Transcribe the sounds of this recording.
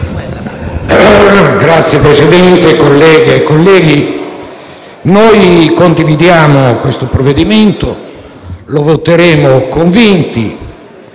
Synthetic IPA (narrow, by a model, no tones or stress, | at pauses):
ɡɾat̪sːjepɾesid̪ɛnt̪ekolːɛːɡeːkːolːɛːɡi | nojkond̪ivid̪jaːmokwest̪opɾoved̪iment̪o | lovot̪eɾeːmokoɱvint̪ḭ